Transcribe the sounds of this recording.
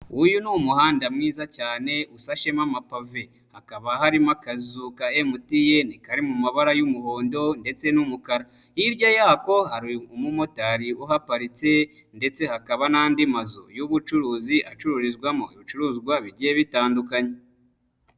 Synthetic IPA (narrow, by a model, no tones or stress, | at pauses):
ujunumuhaːndamŋiːzacaːne̞ʔusaʃe̞mamapave̞ | hakaβahaɾimakazukaemutije̞nikaɾimumaβaɾajumuho̞ːndo̞nde̞t͡se̞numukaɾa | iɾɟajako̞haɾiumumo̞taɾiuɦapaɾit͡se̞ | nde̞t͡se̞hakaβanaːndimazojuβut͡ʃuɾuːziʔat͡ʃuɾuɾizɡwamo̰iβit͡ʃuɾuːzɡwaβiɟijeβitaːndukaɲe